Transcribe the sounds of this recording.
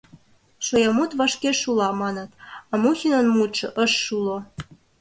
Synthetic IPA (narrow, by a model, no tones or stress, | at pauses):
ʃojɑmut̪vɑʃkeʃulɑmɑnɤ̆t̪ɑmuxʲinə̆nmut̪ʃɤ̆ʔəʃːulo